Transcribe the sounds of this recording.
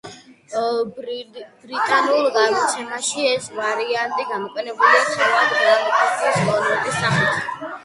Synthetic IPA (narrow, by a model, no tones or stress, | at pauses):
bɾit̪ʼanulˠɡavit̪sʰɛnaʃiɛsvaɾiant̪ʼiɡamɔqʼɛnɛbulisʰɛɾad̪ɛɾamɔkʼasʼiskʼɔnɛt̪ʼisaχɛt̪ʰ